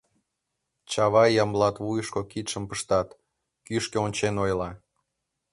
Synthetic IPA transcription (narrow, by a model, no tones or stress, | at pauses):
t͡ɕɑβɑjːɑmlɑt̪vujəʃkokit̪ʃə̆mpəʃt̪ɑt̪ | kyʃkeonʲt͡ɕenojlɑ